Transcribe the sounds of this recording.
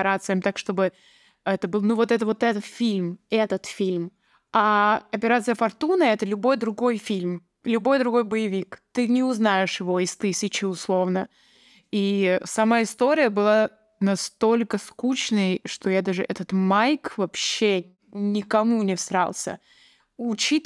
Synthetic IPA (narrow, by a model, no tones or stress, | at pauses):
ɪɾat̪sɨjəmʲt̪akʂt̪o̞bɨ | ɛt̪əbɨlˠnuvo̞t̪ɛt̪əvo̞t̪ɛt̪ət̪fʲilʲmɛt̪ət̪fʲilʲm | aɐpʲɪɾat̪sɨjəfɐrt̪unəɛt̪əlʲʊbo̞jd̪ɾʊɡo̞jfʲilʲm | lʲʊbo̞jd̪ɾʊɡo̞jbəjɪvʲikt̪ɨnʲɪʊznaɪʂjɪvo̞ɪst̪ɨsʲɪt͡ɕɪʊslˠo̞vnə | isɐmaɪst̪o̞ɾʲɪjəbɨlˠa | nɐst̪o̞lʲkəskut͡ɕnəjʂt̪o̞jad̪aʐɨʔɛt̪ət̪majkvɐpɕːe | nʲɪkɐmunʲɪfst̪ɾa̰lˠsʲə̰ | ʊt͡ɕit̪